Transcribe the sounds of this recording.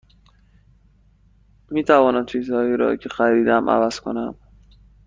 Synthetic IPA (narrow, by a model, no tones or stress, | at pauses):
miːt̪ʰævɒːnæmt͡ʃʰiːzhɒːjiɾɒ̰ːcʰexæɾiːd̪æmʔæ̰væz̥kʰo̞̰næm